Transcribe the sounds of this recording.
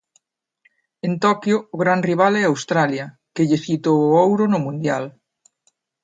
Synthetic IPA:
ent̪ɔkjoːɣɾanriβ̞alɛawst̪ɾaljɐ | keʎesit̪oowɾʊnʊmũnd̪jal

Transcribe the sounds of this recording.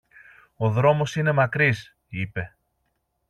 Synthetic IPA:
o̞ðɾo̞mo̞sine̞mɐkɾis | ipe̞

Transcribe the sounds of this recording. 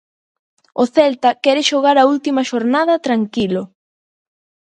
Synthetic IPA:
ʊθɛlt̪ɐkɛɾɪʃoɣaɾɐult̪imɐʃoɾnaðɐt̪ɾaŋkilʊ

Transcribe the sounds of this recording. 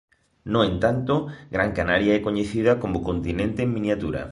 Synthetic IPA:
noent̪ant̪oɡɾaŋkanaɾjaɛkoɲeθiðɐkomokont̪inẽnt̪eːŋmĩnjat̪uɾa̰

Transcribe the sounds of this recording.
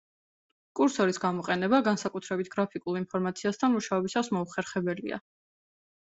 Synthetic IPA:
kʼuɾsɔɾisɡamɔqʼɛnɛbaɡansakʼut̪ʰɾɛbit̪ʰɡ̥ɾapʰikʼulˠinpʰɔɾmat̪sʰiast̪ʰanmuʃaɔbisasmɔuχɛɾχɛbɛlḭa̰

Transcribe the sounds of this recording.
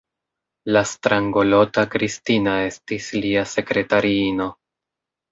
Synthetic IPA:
lastɾaŋɡo̞lo̞takɾistinae̞stisliase̞kɾe̞taɾiino̞

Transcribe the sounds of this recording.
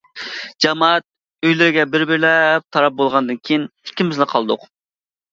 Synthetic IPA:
d͡ʒɑmɑt̪̚ | øjlɪɾɪɡʲɛbɪɾbɪɾlɛp̚t̪ʰɑɾɑp̚bolˠʁɑnd̪ɨnkʲʰijinhi̥kʲːimɪznɪqʰɑlˠd̪ʊ̰q

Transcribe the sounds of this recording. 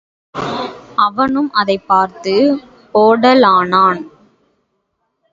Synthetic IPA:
ʔɐʋɐnɯmʔɐðɐɪpːaːɾt̪ɯ | oːɽɐlaːnaːn

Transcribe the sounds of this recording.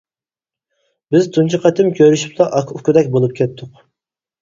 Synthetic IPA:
bɪzt̪ʰunt͡ʃʰiqʰɛt̪ʰɪmkʲʰøɾyʃy̥p̚t̪ɑʔɑkʰʊkʲud̪ɛkʲbolˠup̚kʲʰɛt̪ʰːʊq

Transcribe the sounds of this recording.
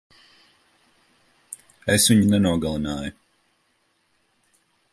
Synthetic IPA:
esviɲinɛnuɔɡalˠinaːju

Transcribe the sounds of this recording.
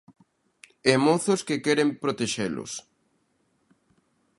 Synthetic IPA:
emoθʊskekɛɾempɾot̪eʃelʊ̰s

